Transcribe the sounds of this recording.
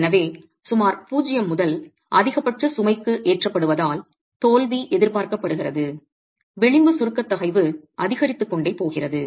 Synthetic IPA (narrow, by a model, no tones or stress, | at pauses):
nɐʋeː | sʊmaːɾpuːd͡ʒɪjɐmːʊðɐl | ʔɐðɪɣɐpːɐʈrɯsʊmɐɪkːɯʔeːʈrɐpːɐɽɯʋɐðaːl | t̪oːlʋiʔɛðɪɾpaːɾkɐpːɐɽɯɣɪrɐðɯ | ʋɛɭɪmbɯsʊɾɯkːɐt̪ːɐɣɐɪʋɯʔɐðɪɣɐɾɪt̪ːɯkːɔɳɖɐɪpːoːɣɪrɐðɯ